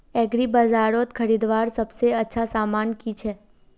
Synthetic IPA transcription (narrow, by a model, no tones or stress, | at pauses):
ɛɡɾibəd͡ʒaɾot̪kʰəɾid̪ʋaɾsəbseətːʃʰasamankit͡ʃʰe